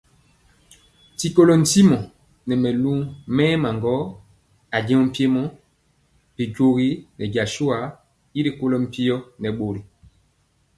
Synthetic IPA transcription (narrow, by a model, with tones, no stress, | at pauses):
ti˨ko˦lɔ˨n̩˨ti˦mɔ˨ | nɛ˨mɛ˨lu˦mɛː˦ma˨ŋɡɔ˦ | a˨ɟɛ̃˦ɔ˦m̩˦pi˦e˦mɔ˦ | pi˨ɟo˨ɣi˦nɛ˨ɟa˨ʃu˦a˨ | i˦ɾe˨ko˦lɔ˦m̩˦˨pi˦jɔ˦nɛ˨ɓo˨ɾi˨